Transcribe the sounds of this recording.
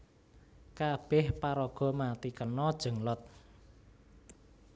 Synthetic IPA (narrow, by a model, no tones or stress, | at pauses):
kab̥ɛhpaɾɔɡ̥ɔ̤mat̪ikənɔd̥ʒ̥ə̤ŋlɔt̪̚